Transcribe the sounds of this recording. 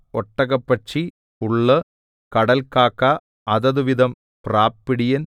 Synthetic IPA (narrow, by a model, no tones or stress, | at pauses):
ɔʈːɐɣɐpːɐt͡ʃːi | uɭːɐ | kɐɽɐlkaːkːa | ɐðɐðɯʋiðɐm | praːpːiɽɪjɐn